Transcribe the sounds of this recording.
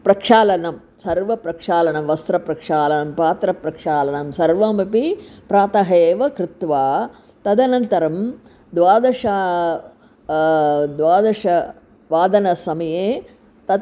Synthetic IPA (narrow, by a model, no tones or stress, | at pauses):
pɾɐkʂaːlɐnɐm | sɐɾʋɐpɾɐkʂaːlɐɳɐmʋɐst̪ɾɐpɾɐkʂaːlɐnɐmpaːt̪ɾɐpɾɐkʂaːlɐnɐmsɐɾʋamɐpipɾaːt̪ɐɦeːʋɐkɾɪt̪ʋaː | t̪ɐd̪ɐnɐnt̪ɐɾɐm | d̪ʋaːd̪ɐʂa | d̪ʋaːd̪ɐʂɐ | ʋaːd̪ɐnɐsɐmɐjeː | t̪ɐ